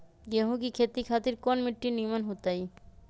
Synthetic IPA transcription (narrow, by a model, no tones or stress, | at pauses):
jeɦũkikʰeːt̪ikʰaːt̪ɪɾkɔːnmɪʈːiniːmənɦoːt̪aːiː